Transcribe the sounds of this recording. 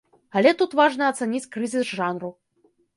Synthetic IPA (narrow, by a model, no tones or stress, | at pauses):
ɐlʲɛt̪ut̪vaʐnɐɐt̪sɛnʲit͡sʲkɾɨzʲisʐanru